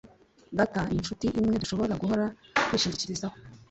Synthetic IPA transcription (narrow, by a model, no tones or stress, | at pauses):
ɡatainʃutiʔimŋe̞duʃo̞βo̞aɡuɦo̞ɾakwiːʃiɟiciɾizaho